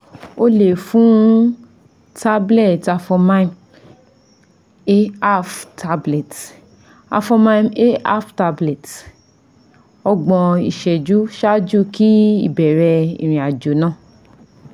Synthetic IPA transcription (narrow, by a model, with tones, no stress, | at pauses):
o˦le˨fũ˦ | ta˦blɛ˦˨ta˧fɔ˧mã˧˦ĩ˨ | e˦a˦˨ftʰa˧blɛ˨t | a̰˧fɔ˧mã˧˦ne˦a̰˦˨fta˧blɛ˨t | ɔ˧ɡ͡bɔ̃˧i˨ʃɛ˨d͡ʒu˨˦ʃa˦d͡ʒu˦˨ki˦ḭ˦˨bɛ˨ɾɛ˧ḭ˨ɾ̃ĩ˨a˨d͡ʒo˨˦nãː˦˨